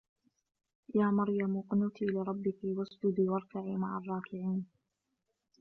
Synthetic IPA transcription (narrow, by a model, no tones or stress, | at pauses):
jaːmɑɾjamʊqnut̪ʰiːlɪɾˤɑbːɪkɪwasd͡ʒʊd̪iːwɑɾˤkaʕiːmaʕarˤːɑːkɪʕiːn